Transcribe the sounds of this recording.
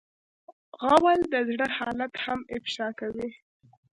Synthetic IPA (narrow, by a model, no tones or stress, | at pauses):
ɣawald̪əzɽəhɑlat̪hamɪfʃɑkawi